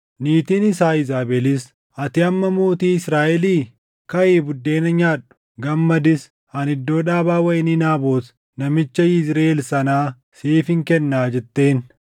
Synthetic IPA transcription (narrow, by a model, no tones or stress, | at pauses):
niːt̪inɪsaːɪzaːbɛlɪs | ɐt̪ɪɐmːɐmoːt̪iːɪsɾaːʔɛliː | kɐʔeːbʊd̪ːe̞ːnɐɲaːᶑʊ̥ | ɡɐmːɐd̪ɪs | hɐnɪd̪ːo̞ːᶑaːbaːwɐʔɪninaːbo̞ːs | nɐmɪt͡ʃːɐɪsɾeːlsɐnaː | siːfɪŋkɛnːaːd͡ʒɛt̪ːe̞ːn